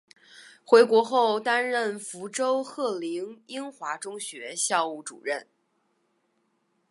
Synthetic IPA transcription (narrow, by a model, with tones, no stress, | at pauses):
xwe˧˥ɪkwɔ˧˥xo˥˩ʊt̪a˥nɻə˥˩nfu˧˥ʈ͡ʂo˥ʊxɤ˥˩li˧˥ŋi˥ŋxwa˧˥ʈ͡ʂʊ˥ŋɕɥɛ˧˥ɕjɑ˥˧ʊu˥˩ʈ͡ʂṵ˨˩ɻə˥˩n